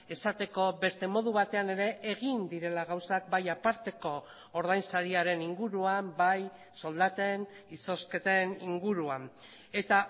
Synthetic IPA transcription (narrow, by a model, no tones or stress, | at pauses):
e̞sat̪e̞ko̞be̞st̪e̞mo̞ð̞uβat̪e̞ane̞ɾe̞ʔːɣind̪iɾe̞laɣawsakbajapaɾt̪e̞ko̞ː | ɾð̞ajnsaɾiaɾe̞niŋɡuɾuambaj | so̞ld̪at̪e̞n | iso̞sket̪eniŋɡuɾuan | e̞t̪a